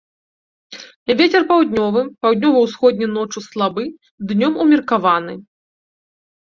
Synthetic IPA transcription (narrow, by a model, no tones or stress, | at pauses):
vʲet͡sʲɛrpawd̪ʲnʲɔvɨpawd̪ʲnʲɔvɐwsxɔd̪ʲnʲɐnɔt͡ʂuslˠabɨ | d̪nʲɔmumʲirkavanɨ